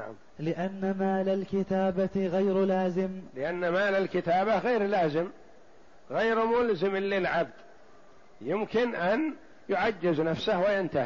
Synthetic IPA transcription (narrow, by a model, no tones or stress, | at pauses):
naʕa̰m | lɪʔanːamaːlalkɪt̪aːbaɣajɾlaːzɪmlɪʔanːamaːlalkɪt̪aːbaɣeːɾlaːzɪm | ɣejɾmʊlzɪmlːɪlʕab̚d̪ | jɪmkɪnʔan | jʊʕad͡ʒːɪznafsahwɪjant̪ahi